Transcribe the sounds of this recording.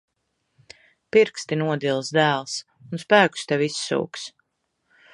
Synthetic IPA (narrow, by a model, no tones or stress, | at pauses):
piɾkst̪inuɔd̪ilˠsd̪æːlˠs | unspæːku̥st̪ɛvisːṵːks